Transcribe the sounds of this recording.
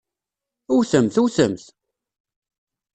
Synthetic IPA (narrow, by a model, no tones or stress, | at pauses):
uθəmθuθəmθ